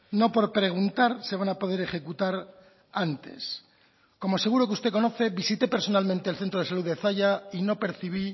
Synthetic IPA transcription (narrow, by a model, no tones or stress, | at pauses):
no̞po̞ɾpɾe̞ɣ̞unt̪aɾse̞β̞anapo̞ðe̞ɾe̞χe̞kut̪aɾ | ant̪e̞̰s | ko̞moaseɣuɾo̞keust̪e̞ko̞no̞θe̞βisit̪e̞pe̞ɾso̞nalmẽnt̪e̞ːlθe̞nt̪ɾoð̞esaluðeθaʝaino̞pe̞ɾθiβ̞i